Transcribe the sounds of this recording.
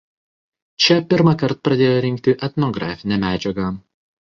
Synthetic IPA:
t͡ʃʲɛpʲɪɾmɐkɐɾt̪̚pɾɐd̪ʲeːjoɾʲɪŋʲk̚t̪ʲɪʔɛt̪ʲnɔɡɾɑːfʲɪnʲɛmʲæːd͡ʒʲɛɡɐ

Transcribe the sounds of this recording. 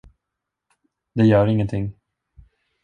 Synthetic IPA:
d̪ɛjœːɾɪŋːənt̪ʰɪŋː

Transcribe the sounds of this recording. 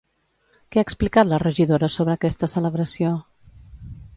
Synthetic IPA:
kɛaːksplikat̪lərəʒiðoɾəsoβ̞ɾəːkɛst̪əsələβɾəsio

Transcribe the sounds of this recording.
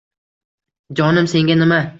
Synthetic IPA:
d͡ʒɒnɪmse̞ŋɡʲanɪma

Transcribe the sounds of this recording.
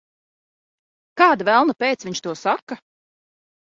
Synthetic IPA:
kaːd̪avælˠnɐpʲejt̪svʲiɲt͡ʃt̪uɔsakːa

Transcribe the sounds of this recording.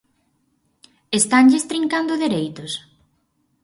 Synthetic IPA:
est̪aɲʎest̪ɾiŋkand̪ʊðeɾejt̪ʊs

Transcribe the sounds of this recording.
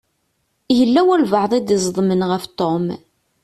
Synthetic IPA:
jəlːæwælvəʕðˤid̪izˤðˤmənʁəft̪om

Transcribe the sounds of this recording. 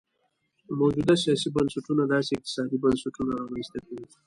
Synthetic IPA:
mawd͡ʒud̪asjɑsibansaʈunad̪ɑseɪq̚t̪ɪ̥sɑd̪ibansaʈunaɾɑmanst̪akʰawi

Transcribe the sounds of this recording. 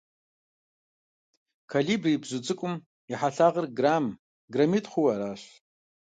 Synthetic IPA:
kʰalibribzud͡zʼɨkʷʼʊm | iħaɬaʁərɡram | ɡramitʼχuwaɾaʃ

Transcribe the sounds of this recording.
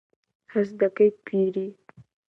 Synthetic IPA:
has̬d̪akajpiɾi

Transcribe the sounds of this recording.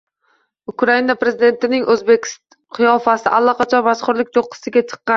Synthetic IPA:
ʊkɾainapɾe̞zɪd̪e̞nt̪ɪnɪŋʔɵzbekʲ | qʰɨjɒfasɪʔalˠːɒqʰɑt͡ʃʰɒmasχʊɾlɪkʲt̪ʰoqʰːɨ̥sɪɡʲat͡ʃʰɨ̥qːɑn

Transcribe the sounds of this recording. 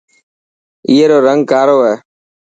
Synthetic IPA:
iːeːɾoːɾəŋɡ̚kaːɾoːɦɛː

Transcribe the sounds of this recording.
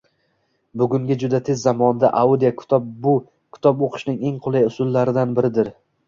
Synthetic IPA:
bʊɡʲʊŋɡʲɪd͡ʒʊd̪at̪ʰe̞zːamɒnd̪aʔaud̪ijak̪ʰɒb̚bʊ | kʲʰʊ̥t̪ʰɒpoqʰɨ̥ʃnɪŋe̞ŋqʰʊlˠajʊsʊlˠːaɾɪd̪anbɪɾɪd̪ɪɾ

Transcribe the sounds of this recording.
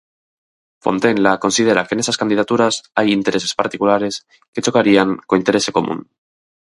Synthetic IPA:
fo̰nt̪e̞nlako̞nsið̞e̞ɾakene̞saskand̪ið̞at̪uɾasajint̪eɾe̞se̞spaɾt̪ikulaɾe̞s | ke̞t͡ʃo̞kaɾiaŋkoint̪e̞ɾe̞se̞ko̞mṵ̃ŋ

